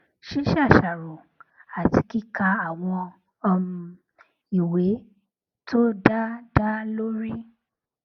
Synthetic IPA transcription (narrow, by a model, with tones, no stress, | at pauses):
ʃi˦ʃa˦˨ʃa˨ɾo˨ | a˨ti˧ki˦˨ka˧a˦˨w̃ɔ̃˧ | i˨we˨˦ | tʰo˦da˦da˦lo˦ɾi˦